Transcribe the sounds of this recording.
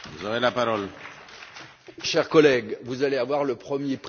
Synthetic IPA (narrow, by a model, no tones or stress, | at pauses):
vuzɔvelapaʁɔl | ʃɛʁkɔlɛɡvuzaleavwaʁləpχəmjep